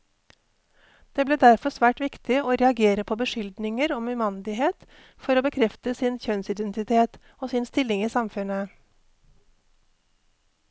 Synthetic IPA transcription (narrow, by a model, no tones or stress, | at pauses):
d̪̥eːbleːd̪æɾfɔsʋæːʈʋɪkt̪ɪoːɾɛɑɡeːɾəpʰoːbəʃʏld̪nɪŋəɾɔːmʉmɑnd̪ɪɦeːt̪ | fɔɾoːbəkʰɾɛft̪əsɪnçœnsɪd̪ɛnt̪ɪt̪ʰeːt̪ | oːsɪnst̪ɪlɪŋiːsɑmfʉnə